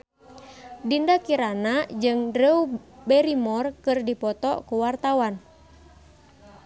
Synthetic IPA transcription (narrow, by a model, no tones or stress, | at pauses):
dindakiɾanad͡ʒɨŋdɾeubɛɾimɔrkɨrdipɔt̪ɔ̰kuwart̪awan